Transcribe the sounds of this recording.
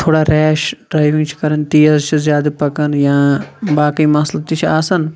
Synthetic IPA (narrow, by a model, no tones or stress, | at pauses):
t̪ʰoːɽaːɾɛːʃʈɾaːjĩŋt͡ʃʰi̥kɐɾənt̪iːɐzt͡ʃʰizjaːd̪ɐpɐkɐnjãːbaːkɐimɐslɐt̪it͡ʃʰaːsɐn